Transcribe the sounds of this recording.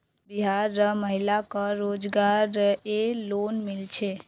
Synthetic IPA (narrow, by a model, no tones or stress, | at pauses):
biɦaɾːəməɦilakəɾod͡ʒɡaɾəelonmilt͡ʃʰe